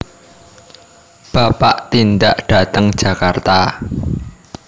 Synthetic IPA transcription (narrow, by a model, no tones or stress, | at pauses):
b̥apaʔt̪ind̪aʔɖ̥a̤t̪əŋd̥ʒ̥a̤kart̪a